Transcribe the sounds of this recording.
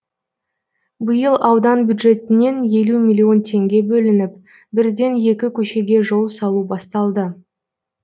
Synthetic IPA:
bəjəlˠɑwd̪ɑnbʲjud̪ʒe̞t̪ɪne̞nje̞lumʲilʲːio̞nt̪ʰe̞ŋɡʲe̞bɵlɪnɪp̚ | bɪɾd̪e̞nje̞kʲɪkʲʰɵʃe̞ɡʲe̞ʒo̞lˠsɑlˠubɑst̪ɑlˠd̪ə

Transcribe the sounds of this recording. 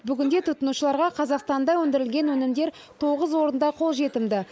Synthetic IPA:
bʏɡʲɪnd̪e̞t̪ʰʊt̪ːənuʃəlˠɑɾʁɑqʰɑzɑqst̪ɑnd̪ɑwɵnd̪ɪɾɪlɡʲe̞nwɵnɪmd̪e̞ɾ | t̪ʰo̞ʁəzwo̞ɾənd̪ɑqʰo̞lˠʒe̞t̪ɪmd̪ɪ

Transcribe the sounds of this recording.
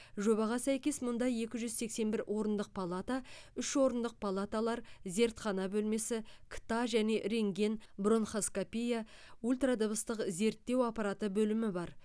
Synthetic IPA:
ʒo̞bɑʁɑsæjkʲe̞smʊnd̪ɑje̞kʲɪʒʏzse̞kse̞nbɪɾwʔo̞ɾənd̪əq̚pʰalˠat̪aʏʃwo̞ɾənd̪əq̚pʰalˠat̪alˠɑɾze̞ɾt̪χɑnɑbɵlme̞sɪkʲʰt̪ɑʒæne̞ʔɾe̞ŋɡʲe̞nbronχoskopʲijaulʲt̪rad̪əbəst̪əqze̞ɾt̪ːe̞wɑpɑɾat̪əbɵlɪmɪbɑɾ

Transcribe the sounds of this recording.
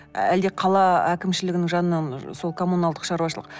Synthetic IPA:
æld̪eqʰɑlˠɑækʲɪmʃɪlɪɡʲɪnɪŋʒɑnənɑnso̞lˠkʰo̞munɑlˠd̪əqʃɑɾuwɑʃəlˠə̥̰q

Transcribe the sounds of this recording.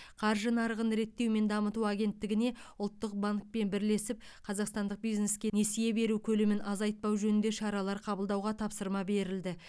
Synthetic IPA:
qʰɑɾʒənɑɾəʁənɾe̞t̪ːe̞wme̞nd̪ɑmət̪uaɡʲe̞nt̪ːɪɡʲɪne̞ʊlˠt̪ːəq̚baŋk̚pe̞nbɪɾle̞sɪp̚ | qʰɑzɑqst̪ɑnd̪əq̚bijzne̞skʲene̞sije̞be̞ɾukʲʰɵlɪmɪnʔɑzɑjt̪̚pɑwʒɵnɪnd̪e̞ʃɑɾɑlˠɑɾqʰɑbəlˠd̪ɑwʁɑt̪ʰɑpsəɾmɑbe̞ɾɪld̪ɪ

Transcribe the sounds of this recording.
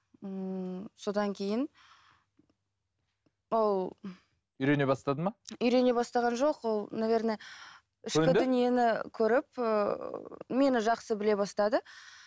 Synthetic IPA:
əso̞d̪ɑŋkʲʰe̞jɪn | wo̞lˠ | ʏjɾe̞ne̞bɑst̪ɑd̪əmɑʏjɾe̞ne̞bɑst̪ɑʁɑnʒo̞qwo̞lˠnavʲe̞ɾne | ɪʃkʲɪd̪dʏnije̞nɪkʲʰɵɾɪp̚ə | me̞nɪʒɑqsəbɪle̞bɑst̪ɑd̪ə

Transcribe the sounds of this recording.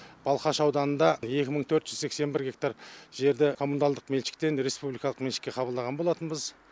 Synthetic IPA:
b̥ɑlˠqɑʃɑwd̪ɑnənd̪ɑje̞kʲɪməɴt̪ʰɵɾt̪ʒ̥ʏzse̞kse̞nbɪɾɡʲe̞k̚t̪aɾʒe̞ɾd̪ɪkʰo̞munalˠd̪əqme̞lʃɪ̥k̚t̪e̞nɾe̞spublijkɑlˠə̥qmeʃɪ̥kʲːe̞qʰɑbəlˠd̪ɑʁɑnbo̞lˠɑt̪ənbəz

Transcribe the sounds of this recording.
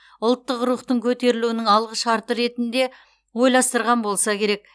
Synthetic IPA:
ʊlˠt̪ːəqɾuχt̪əɴkʲʰɵt̪e̞ɾɪluɪnɪŋɑlˠʁəʃɑɾt̪əɾe̞t̪ɪnd̪e̞ | wo̞jlˠɑst̪əɾʁɑnbo̞lˠsɑkʲʰe̞ɾe̞k̚

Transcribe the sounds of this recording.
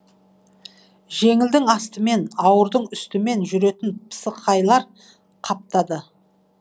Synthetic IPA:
ʒe̞ŋɪld̪ɪŋɑst̪əme̞nɑwəɾd̪əɴʏst̪ɪme̞nʒʏɾe̞t̪ɪnpʰə̥səqʰːɑjlˠɑɾ | qʰɑp̚t̪ɑd̪ə

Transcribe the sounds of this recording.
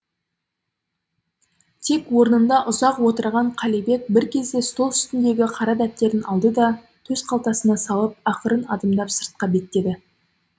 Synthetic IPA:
t̪ʰe̞kwo̞ɾənənd̪ɑʔʊzɑqwo̞t̪əɾʁɑɴqʰɑlijbe̞k̚bɪɾkʲʰe̞zd̪e̞st̪o̞lˠʏ̥st̪ɪnd̪e̞ɡʲɪqʰɑɾɑd̪æp̚t̪ːe̞ɾɪnʔɑlˠd̪əd̪ɑ | t̪ʰɵzqʰɑlˠt̪ɑsənɑsɑlˠəp̚ɑqəɾənɑd̪ɑmd̪ɑpsəɾt̪̚qɑbe̞t̪ːe̞d̪ɪ

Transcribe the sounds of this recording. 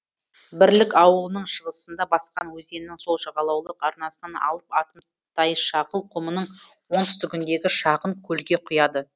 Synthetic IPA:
bɪɾlɪkɑwəlˠənəɴʃəʁəsənd̪ɑbɑsqɑnwɵze̞nnɪŋso̞lˠʃɑʁɑlˠɑwlˠəqɑɾnɑsənɑnɑ̰lˠəpɑt̪ən | t̪ʰɑjəʃɑʁəlˠqʰʊmənəɴ | wo̞nt̪ʏst̪ʏkʲɪnd̪e̞ɡʲɪʃɑʁəɴkʲʰɵlɡʲe̞qʰʊjɑd̪ə

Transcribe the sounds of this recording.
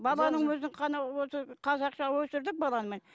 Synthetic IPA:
bɑlˠɑnəɴwɵznɪɴqʰɑnɑwosəqʰɑzɑqʃɑwɵsɪɾd̪ɪk̚bɑlˠɑnəmen

